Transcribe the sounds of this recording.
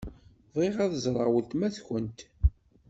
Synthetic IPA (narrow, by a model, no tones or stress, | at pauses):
ðˤeʁæðəzˤɾˤəʁwəlt̪mæθçənt̪